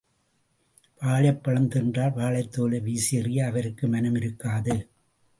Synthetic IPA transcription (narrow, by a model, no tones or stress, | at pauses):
ʋaːɭɐpːɐɻɐnd̪ɯndraːlʋaːɭɐɪt̪ːoːlɐʋiːsɪɐrɪjɐːʋɐɾɯkːɯmɐnɯmɪɾɯkːaːðɯ